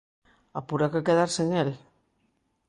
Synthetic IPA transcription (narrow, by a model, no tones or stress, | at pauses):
a̰puɾakekeðaɾseɲeɾe